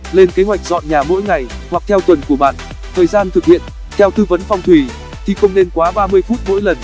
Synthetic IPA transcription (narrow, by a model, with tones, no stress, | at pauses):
le˧nke˨˦hɦwa˨˩jk̚zɔ̰˧˨nɲaː˨˩mo̰˧˥jŋa˨˩jhwa˨˩k̚t̪ʰɛ˧wt̪wə˨˩nku˧˩əɓa̰ː˧˨n | t̪ʰəː˨˩jzaː˧nt̪ʰɨ˨˩k̚hḭ˧˨ən | t̪ʰɛ˧wt̪ɨ˧və˨˦nfɔ˧wŋ͡mt̪ʰwi˧˩ | t̪ʰi˨˩xə˧wŋ͡mne˧nkwaː˨˦ɓaː˧mɨ˧əjfu˦˥t̚mo̰˧˥jlə˨˩n